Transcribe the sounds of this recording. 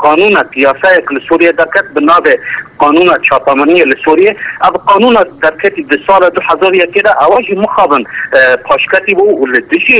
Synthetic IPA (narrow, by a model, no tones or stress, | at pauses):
qɑːnunɛt̪ijɑːsɛjɛklɨsuɾijed̪æɾkʰɛt̪̚bɨnɑːveqɑːnuːnɑt͡ʃʰɑːpamænijelɨsuɾijeʔævqɑːnuːnɑd̪æɾkʰɛt̪id̪ɨsɑːlɑd̪ʊħazɑːɾujɛkeːd̪ɛʔæwɑʒimɨxɑːbɨnpʰɑːʃkɛt̪ibuːlɨd̪ɨʒi